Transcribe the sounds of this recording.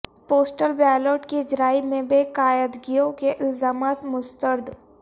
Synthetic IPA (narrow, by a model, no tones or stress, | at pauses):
poːsʈəlbɛːloːʈkid͡ʒɾaːimẽbeːkaːjəd̪ɡijõkeʔɪlzaːmaːt̪mʊst̪əɾd̪